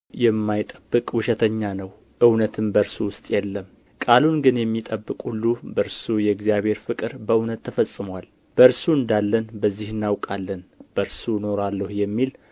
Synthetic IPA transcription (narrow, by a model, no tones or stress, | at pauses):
jɛmːajt̪ʼəbːɨkʼwʊʃɛt̪ʰəɲːanəw | ʔɨwnət̪ʰɨmbəɾsuwʊst̪ʼjɛlːəm | kʼalunɡɨnjɛmːit̪ʼəbːɨkʼulːubəɾsujɛɡzijaβhe̞ɾfɨkʼɨɾbəɨwnət̪ʰːəfəsʼːɨmwal | b̥əɾsuɨnd̪alːənbəzːihɨnːawkʼalːənb̥əɾsuno̞ɾalːəhujɛmːil